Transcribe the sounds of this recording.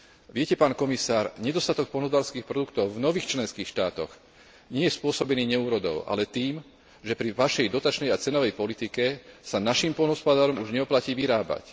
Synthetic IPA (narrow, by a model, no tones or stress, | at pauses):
ʋɪɛcɛpaːnkɔmisaːɾɲɛd̪ɔst̪at̪ɔk̚pɔlnɔzbaːlskiːxpɾɔd̪ukt̪ɔʊvnɔʋiːxt͡ʃlɛnskiːxʃt̪aːt̪ɔ̰ɣ | ɲɪɛjɛspʊɔsɔbɛniːɲɛuːɾɔd̪ɔ̰ʊʔa̰lɛt̪iːm | ʒɛpɾiʋaʃɛjd̪ɔt̪at͡ʃnɛjat͡sɛnɔʋɛjpɔlit̪ikɛsanaʃimpɔlnɦɔspad̪aːɾɔmuʒɲɛɔplaciːʋiɾaːba̰c